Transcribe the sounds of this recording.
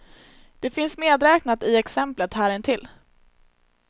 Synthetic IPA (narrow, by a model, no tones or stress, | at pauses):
d̪̥ɛfɪnsmeːd̪ɾɛːknat̪ɪɛksɛmplət̪hæːɾɛnt̪ʰɪlː